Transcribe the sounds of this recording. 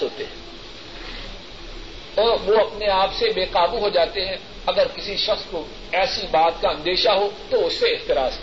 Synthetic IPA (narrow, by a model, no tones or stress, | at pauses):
oːt̪eɦɛ̃ | ɔːɾʋoɐpneaːpsebeːqaːbuɦod͡ʒaːt̪eɦɛ̃ | ɐɡəɾkɪsiʃɐxsko | ɛːsibaːt̪̚kaɦɐ̃nd̪eːʃaɦot̪oʊsːeɪxt̪ɪɾaːz